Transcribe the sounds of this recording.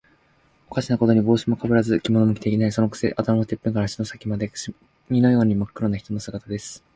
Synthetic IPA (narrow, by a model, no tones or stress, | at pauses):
o̞kaɕinako̞t̪o̞ɲ̟ibo̞ːɕimo̞kabɯ̟ɾazɨkʲimo̞nomɯ̟kʲit̪eikʲinaiso̞nokɯ̟̥se̞̰ʔat̪amamat̪e̞pːɯ̟ŋkaɾaɕi̥no̞sakʲimad̪e̞kɕi | ɲ̟ʲino̞jo̞ːɲ̟imakːɯ̟ɾo̞nːaçi̥t̪o̞no̞sɨɡat̪ad̪e̞sɨ̥